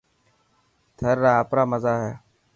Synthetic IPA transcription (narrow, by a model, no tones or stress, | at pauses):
t̪ʰəɾːaːpɾaːməzaːɦɛː